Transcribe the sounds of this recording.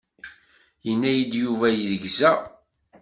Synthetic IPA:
jənːæjid̪juvæjəðɡzæ

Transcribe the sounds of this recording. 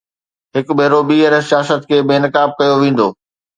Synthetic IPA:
ɦɪkbʱeːɾoɓiːəɾsijaːsət̪kʰeːbeːnɪkaːb̚kɐjoʋẽːn̆d̪oː

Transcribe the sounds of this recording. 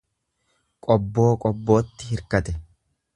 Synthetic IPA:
kʼɔbːo̞ːkʼɔbːo̞ːt̪ːɪhɪɾkɐt̪ɛ

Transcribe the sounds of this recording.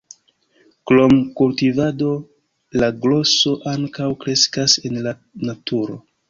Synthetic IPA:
klo̞mkultivado̞ | laɡlo̞so̞ʔaŋkawkɾe̞skase̞nla | natuɾo̞̰

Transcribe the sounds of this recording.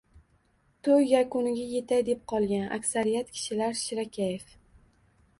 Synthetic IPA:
t̪ʰojjakʊnɪɡʲaje̞t̪ʰajd̪e̞p̚qʰɒlˠɡʲanʔa̰kʲsaɾijat̪kʲʰɪ̥ʃɪlaɾʃɪɾakʲʰajef

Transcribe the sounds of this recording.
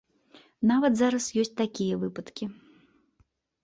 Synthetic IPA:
navɐt̪zaɾɐsjɔsʲt͡sʲt̪akʲijɐvɨpɐt̪kʲi

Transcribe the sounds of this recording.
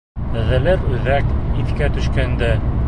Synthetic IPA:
ðɘ̆lɘɾʉðækiθkæt̪ɵ̆ʃkænd̪æ

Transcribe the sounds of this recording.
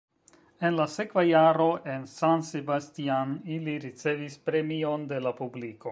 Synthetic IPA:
e̞nlase̞kvajaɾo̞ʔe̞nsanse̞bastianiliɾit͡se̞vispɾe̞mio̞nde̞lapubliko̞

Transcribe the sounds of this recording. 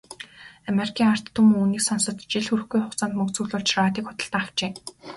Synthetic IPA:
ameɾikʰiːŋar̥t̪ʰːumuːniːksansə̆t̪t͡ɕiɮxuɾɘ̆xɡujχʊχt͡saːnt̪mɵkt͡sŭːɮʊːɮt͡ɕʰraːt̪iːkχʊ̥t̪ə̆ɬt̪aːakt͡ɕeː

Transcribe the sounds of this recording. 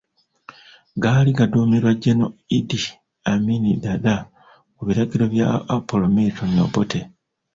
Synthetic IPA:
ɡaːliɡaduːmiɾwaɟenoidi | aminidada | oβiɾaɟiɾo̞βja̰ːpolomitʰono̰botʰe

